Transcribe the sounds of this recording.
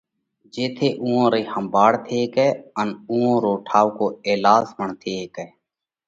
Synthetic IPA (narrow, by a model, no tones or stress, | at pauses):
d͡ʒeːt̪ʰeːʔũːõːɾeːhəmbaːɽt̪ʰeːkɛːənũːõːɾoːʈʰaːʋkoːeːlaːzməɳt̪ʰeːkɛː